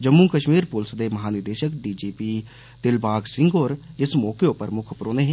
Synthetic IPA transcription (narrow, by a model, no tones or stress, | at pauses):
d͡ʒɐmːukɐʃmiːɾpoːlsd̪emɐɦaːnɪɾd̪eːʃəkɖiːd͡ʒiːpi | d̪̥ɪlbʱaːɡsɪ̃ŋɡɔːɾɪsmɔːkeopəɾmʊkʰpɾoːneɦɛ̃